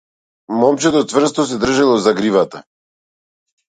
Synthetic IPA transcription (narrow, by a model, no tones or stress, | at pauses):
mɔmt͡ʃɛt̪ɔt̪vr̩st̪ɔs̬ɛd̪r̩ʒalˠɔzaɡɾivat̪a